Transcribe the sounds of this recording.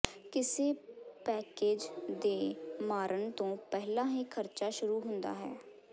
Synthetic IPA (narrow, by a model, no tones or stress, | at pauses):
kɪseːpɛːkeːd͡ʒd̪eːmaːɾʔənt̪õːpɛɦlãːɦiːkʰəɾt͡ʃaːʃʊɾuːɦʊ̃nd̪a̰ːɦɛ̰ː